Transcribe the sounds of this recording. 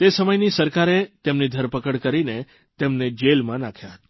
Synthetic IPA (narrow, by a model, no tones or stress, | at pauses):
t̪esəməjnisəɾkaɾet̪emnid̪ʱəɾpəkəɽkəɾine | t̪emned͡ʒelmãnakʰjaɦət̪